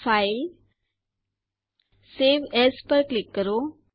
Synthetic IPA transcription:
fail | seʋespəɾklikːəɾo

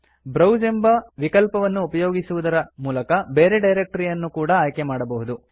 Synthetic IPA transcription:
bɾɐwd͡ʒembɐʋikɐlpɐʋɐnːuːpɐjoːɡisuʋud̪ɐɾɐmuːlɐkɐbeːɾeɖɐjɾek̚ʈɐɾijɐnːukuːɽɐaːjkemaːɽɐbɐɦud̪u

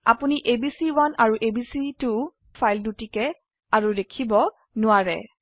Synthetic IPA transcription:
a̰puniʔebisiwanaɹuʔebisitu | fʰajldutikɛ | aɹudekʰibɔ | nʊwaɹɛ̰

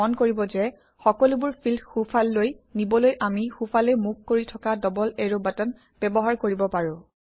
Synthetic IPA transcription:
ɔnkoɹibɔzɛ | xɔkɔlubʊɹpʰilxupʰalːojnibɔlojʔamixupʰalɛmuk̚ʰkoɹitʰɔkadɔbɔleɹobatɔn | b̥ɛbɔɦaɹkoɹibɔpaɹʊ̃

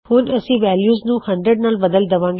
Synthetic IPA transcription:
hʊnəsĩːʋɛːljuːznũːhɐ̃ɳɖɾəɖnaːlbɐd̪əld̪ɐʋãːŋɡ

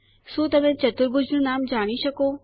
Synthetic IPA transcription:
suːt̪ɐʋẽt͡ɕɐt̪ʊɾɡʊd͡ʑʱnũnaːmd͡ʒaːɽ̃iʃɐkoː

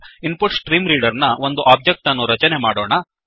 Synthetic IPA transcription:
inpuʈsʈɾiːmɾiːɖɐɾnɐʋo̞nd̪uʔaːb̚d͡ʒek̚ʈɐnːuɾɐt͡ʃɐnemaːɽoːɳɐ

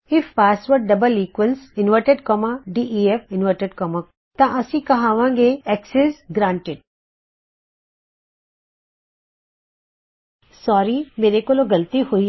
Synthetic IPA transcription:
ɪfːaːsʈʋəɖ̚ɖɐbəliːkwʋəlsɪnʋəʈeɖkɔmaɖiːʔiefɪnʋəɾʈeɖkɔːma | t̪ãʔɐsĩkɐɦaːʋãːŋɡeɛksesɡɾãːɳʈɪɖ̚ | sɔːɾimeːɾekoloɡɐlt̪ihui

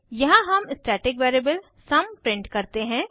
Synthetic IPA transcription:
jɐɦãɦɐmɪsʈɛːʈɪkʋeːɾibəl | sɐmpɾɪ̃ɳʈkɐɾt̪eɦɛ̃ː

